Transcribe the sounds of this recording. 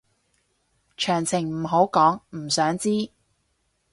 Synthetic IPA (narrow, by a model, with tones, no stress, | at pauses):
t͡ʃʰœː˨˩ŋt͡sʰɪ˨˩ŋm̩˨˩ɦo˨˥wkɔː˨˥ŋm̩˨˩sœː˨˥ŋt͡siː˥